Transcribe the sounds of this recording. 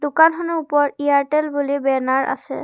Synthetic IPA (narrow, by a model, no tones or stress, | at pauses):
dʊkanxɔnɛupɔɹiaɹtɛlbulibɛnaɹʔa̰sɛ̰